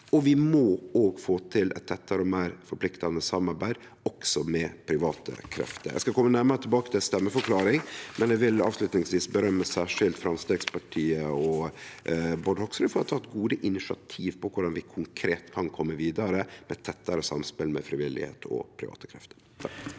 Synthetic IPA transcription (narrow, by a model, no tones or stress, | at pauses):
ɔʋɪmɔoːɡfoːt̪ʰɪlʔɛ̰t̪ʰːɛt̪ʰːɑɾəɔmeːɾfɔɾpʰlɪkt̪ɑnəsɑmːɑɾbæɪd̪ | ɔksɔmɛpʰɾɪʋɑːt̪ʰə̰kʰɾɛ̰ft̪əɾjæ̰ɪskɑkʰɔmːənæɾmɑɾət̪ʰɪlbɑːkə̥t̪ʰɪlst̪ɛmːəfɔɾkʰlɑːɾɪŋmʔɛnjɛʋɪlɑ̰ːʋslʉt̪nɪŋsʋiːsbəɾœmːəsæːʂɪlt̪fɾɑmst̪eːɡspʰɑʈʰiːəɔ | bɔɖhɔksɾɪfɔɾt̪ʰɑːt̪̚ɡuːd̪əʔɪnɪʂɪɑ̰t̪ʰiːʋpʰɔkʰʊɖɑnʋɪkʰʊŋkʰɾeːt̪kʰɑnkʰɔmːəʋiːd̪ɑɾəmɛt̪ʰːɛt̪ːɑɾəsɑ̰mspɪlmɛ̰fɾɪʋɪlːɪ̰hḛːt̪ʰɔ̰pʰɾɪ̰ʋɑ̰ːt̪ə̥kʰɾɛft̪ə̥ɾʰ